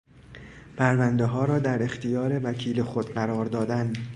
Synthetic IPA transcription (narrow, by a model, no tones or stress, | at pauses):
pʰæɾvænd̪eɦɒːɾɒːd̪æɾe̞xt̪ʰijɒːɾe̞vækʰiːlexo̞d̪̥ɢæɾɒːɾd̪ɒːd̪æn